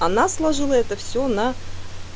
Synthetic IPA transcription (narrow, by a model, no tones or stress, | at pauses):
anaslˠaʐɨlˠəɛt̪əfsʲona